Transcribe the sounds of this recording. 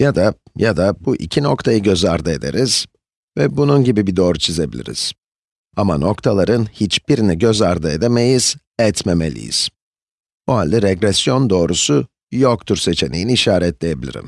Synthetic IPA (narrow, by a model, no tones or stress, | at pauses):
jad̪a | jad̪abuʔḭcʰino̞kt̪ʰajɯɟø̞zaɾd̪ae̞d̪e̞̰ɾiz̥ | vɛbununɟibibid̪o̞ːɾut͡ʃʰize̞bilʲḭɾḭz̥ | amano̞kt̪ʰalˠaɾɯnhit͡ʃbiɾiniɟø̞zaɾd̪aed̪eme̞jiz̥ | ɛt̪meme̞̰lʲḭjḭz̥ | buɦalʲd̪ɛɾɛɡɾɛsjo̞nd̪o̞ːɾusu | jok̚t̪ʰuɾse̞t͡ʃʰe̞nejiniiʃaːɾɛt̪lʲe̞je̞bilʲḭɾḭm